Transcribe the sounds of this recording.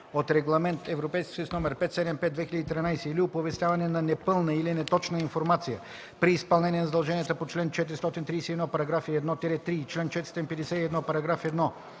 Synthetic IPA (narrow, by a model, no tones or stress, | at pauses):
ot̪ɾɛɡlˠɐmɛnt̪ɛvɾopɛjskʲi̥səjusnɔmɛɾpɛt̪sɛd̪ɛmpɛd̪vɛxiləd̪it̪ɾinajsɛiliopovɛst̪ʲjavɐnɛnɐnɛpɤlˠnəilinɛt̪ɔt͡ʃnəiɱfoɾmat̪sijə | pɾiːspɐlˠnɛniɛnɐzɐd̪ɐlˠʒɛniɛt̪əpot͡ʃlɛnt͡ʃɛt̪iɾist̪ɔt̪int̪ɾijsɛiɛd̪nɔpɐɾɐɡɾafiɛd̪nɔt̪ɛɾɛt̪ɾiːt͡ʃlɛnt͡ʃɛt̪sɔt̪inpɛd̪ɛsɛt̪iɛd̪nɔpɐɾɐɡɾafɛd̪nɔ